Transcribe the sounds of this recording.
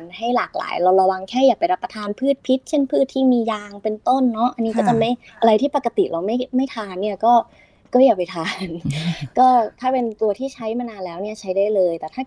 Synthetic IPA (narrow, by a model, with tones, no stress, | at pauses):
nha˥˩jlaː˨˩k̚la̰ː˩˦jɾa˧wɾa˧wa˧ŋkʰɛː˥˩jaː˨˩k̚pa˧jɾa˦˥pːa˧t̪ʰaː˧npʰɯː˥˩t̪̚pʰi˦˥t̪̚t͡ɕʰe˥˩npʰɯː˥˩t̪ʰiː˥˩miː˧jaː˧ŋpe˧nt̪o˥˩nːɔ˦˥ʔa˧nːiː˦˥kɔː˥˩t͡ɕʰa˧ma˥˩j | ʔa˧ɾa˧jt̪ʰiː˥˩pa˨˩ka˧t̪ḭ˨˩ɾʔa˧wma˥˩jma˥˩jt̪ʰaː˧nːi˥˩ɐkɔː˥˩ | kɔː˥˩jaː˨˩k̚pa˧jt̪ʰaː˧nkɔː˥˩t̪ʰaː˥˩pe˧nt̪u˧ɐt̪ʰiː˥˩t͡ɕʰa˦˥jmaː˧naː˧nlɛː˦˥wni˥˩ɐt͡ɕʰa˦˥jdaː˥˩jlɤː˧jt̪ɛː˨˩t̪ʰaː˥˩